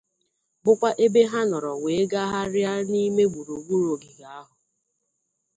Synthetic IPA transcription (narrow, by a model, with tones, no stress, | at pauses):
bʊ˦kʷa˦ʔe˦be˦ɦa˦nɔ˨ɾɔ˨we˨e˦ɡa˦ɦa˦ɾja˦ni˦me˦ɡʷu˨ɾu˨ɡʷu˦ɾo˨ɡi˨ɡa˨a˦ɦʊ˨